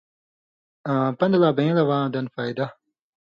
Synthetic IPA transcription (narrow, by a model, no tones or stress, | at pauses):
ãpɐnd̪laːbẽlɐwãːd̪ɐnfaːjd̪ɐ